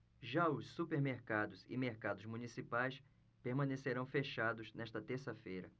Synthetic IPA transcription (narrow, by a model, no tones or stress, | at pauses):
ʒaʊsːupeɾmeɾkad̪ʊzɪ̰meɾkad̪ʊzmunisipajs | peɾmɐ̃neseɾɐ̃w̃feʃad̪ʊznɛʃt̪ɐt̪eɾsɐfejɾɐ